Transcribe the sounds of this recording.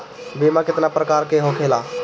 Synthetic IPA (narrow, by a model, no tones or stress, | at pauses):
bimakɪt̪napɾəkaːɾkeɦokʰela